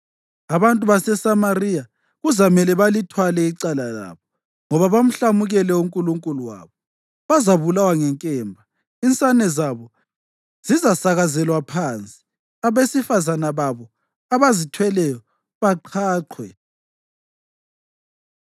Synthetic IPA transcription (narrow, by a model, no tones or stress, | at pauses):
aβantʼuβasɛsamarija | ɣuzamɛlɛβalitʰwalɛiǀalala̰βɔ | ŋɔβaβam̩ɬamuɣɛlɛuŋkʼuluŋkʼuluwa̰ːβɔ | βazaβulawaŋɛŋkʼɛːmbʱa | int͡sʼanɛzaβɔ | z̥izasaɣazɛlwapʰant͡sʼi̥ | aβesifazanaβaβɔ | aβazitʰwɛlɛjɔ | βaǃʰaːǃʰwɛ